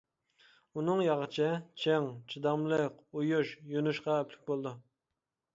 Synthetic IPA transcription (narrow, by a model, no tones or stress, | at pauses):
unɨŋjɑʁət͡ʃʰɪt͡ʃʰeŋt͡ʃʰid̪ɑmlˠəqujuʃjonuʃqɑɛpʰlɪ̥k̚ʲbolˠd̪u